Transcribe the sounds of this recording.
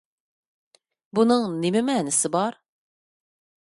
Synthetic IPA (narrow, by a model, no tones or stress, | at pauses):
bunɯŋnemimɛːnɪsibɑɾ